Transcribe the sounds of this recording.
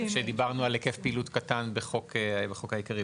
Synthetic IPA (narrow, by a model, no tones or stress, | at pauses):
ʃed̪ibaʁnualekefpiːlutkatanbeχo̞kbeχo̞khajikaʁi